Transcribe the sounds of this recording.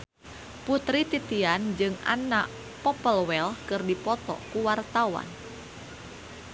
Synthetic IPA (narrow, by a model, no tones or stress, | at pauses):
put̪ɾit̪it̪iand͡ʒɨŋa̰naʔ | pɔpəlwɛlkɨrdipɔt̪ɔ̰kuwart̪awa̰n